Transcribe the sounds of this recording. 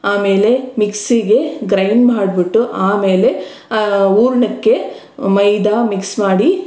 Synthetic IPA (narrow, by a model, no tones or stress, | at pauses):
aːme̞ːle̞miksiɡe̞ɡɾɐjnmaːɽbiʈːuʔaːme̞ːle̞ | uːɾɳɐkːe̞ | mɐjd̪aːmiksmaːɽi